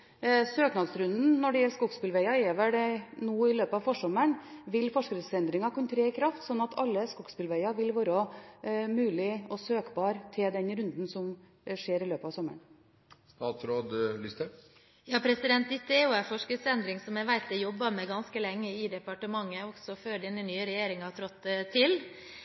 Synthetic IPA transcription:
søːknɑd̪sɾʉnd̪n̩nɔɖɛjɛlːskʊɡspɪlʋæɪɑɛːʋəɖɛnuːɪløːpəɑʋfɔʂɔmːəɳʋɪlːfɔʂkɾəsɛnd̪ɾɪŋɑkʰʊnt̪ʰɾeːɪkʰɾɑft̪sɔnːɑt̪ʰɑlːəskʊɡ̥spɪlʋæɪɑʋɪlʋɑːɾɔ | mʉːlɪɔsøːkbɑːɾt̪ʰɪld̪ɛnɾʉnd̪n̩sɔm | ʂeːɾɪløːpəɑʋsɔmːə̰ɳ | st̪ɑːt̪ɾoːd̪lɪst̪ə | jɑːpʰɾɛsɪd̪ɛnt̪ɪt̪ːeuːæfɔʂkəsɛnd̪ɾɪŋsɔmɛʋæɪt̪əjɔbːɑmɛɡɑnskəlɛŋːəɪd̪ɛpɑʈəmɑŋːəɔɡsɔføːɖɛnənyːəɾɛjeːɾɪŋɑt̪ʰɾɔt̪ːt̪ʰːɪl

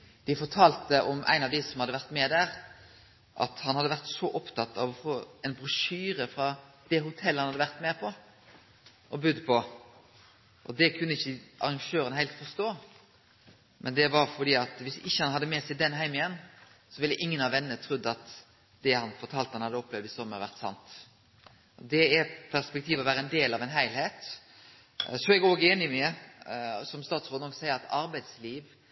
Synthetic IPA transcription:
d̪̥ɪfɔʈʰɑːlt̪əʔɔmʔæ̰ɪnɑʋd̪ɪsɔmhɑd̪ːəʋæʁt̪mɛːd̪æːɾ | ʔɑ̰t̪hɑnhɑd̪ːəʋæʁt̪sɔʔɔpt̪ʰɑt̪ːɑ̰ʋɔfoːɛnbɾʉʂyːɾəfɾɑ | d̪̥ɛhʊt̪ʰɛlːhɑnɑd̪əʋæɾt̪meːpʰɔ | ʔɔbʉd̪pʰɔ | ʔɔd̪ɛkʰʉnːəɪçːəʔɑ̰ɾɑŋʃøːɾənhæɪlt̪fɔst̪oː | mʔɛnd̪ɛʋɑɾfɔɖ̪iːɑt̪ʋɪsɪçːəhɑnhɑd̪ːəmɛːsæɪd̪ɛnɦæɪmɪjɛnːsɔʋɪlːəʔɪŋːənɑʋɛnənət̪ʰɾʉd̪ːəɑt̪ | d̪̥ɛhɑnfɔʈ̪ʰɑːlt̪hɑnhɑd̪ːəɔpːlɛʋd̪ɪsɔmːəɾʋæɾt̪sɑ̰nt̪ | ʔɔd̪ɛɛɾpʰæspɛk̚t̪ʰiːʋɔʋæːɾəɛnd̪eːlɑʋɛnɦæɪlheːt̪ | sɔmɛɡoːɡəeːnɪmɛ | sɔmst̪ɑːt̪sʁoːd̪nɔksæɪəɾɑt̪ɑɾbæɪd̪sliːʋ

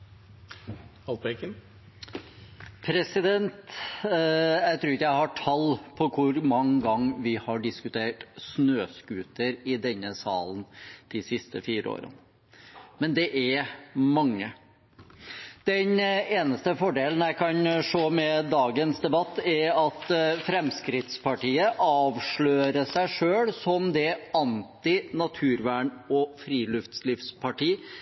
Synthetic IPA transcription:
ɑlt̪bɛkən | pʰɾɛsɪd̪ɛnt̪ | jæɪt̪ʰɾʉːɾɪkːəjæɪhɑʈʰɑlpʰɔkʰʊɾmɑŋɡɑŋːʋɪhɑɖɪskʉt̪ʰeːʈsnøːskʉːt̪əɾɪd̪ɛnːəsɑ̰ːlənd̪̥ɪsɪst̪ə̰fiːɾə̰o̰ːɾə̰n | mɛnd̪ɛʔæɾmɑŋːə | d̪̥ɛneːnəst̪əfɔɖeːlən̩æɪkʰɑnʂoːmɛd̪ɑːɡənsd̪ɛbɑt̪ːæɾɑt̪fɾɛmskɾɪt̪spʰɑʈiːəʔɑːʋʂɭøːɾəʂæɪʂøːlsɔmd̪ɛɑnt̪ɪnɑt̪ʰʉːɾʋæːɳɔfɾiːlʉft̪slɪfspʰɑʈiː

